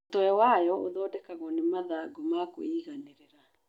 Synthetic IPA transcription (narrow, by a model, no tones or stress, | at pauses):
ttɔɛwajɔoðɔːdɛkaɣɔnemaðaɡomako̰iːɣaneɾeɾa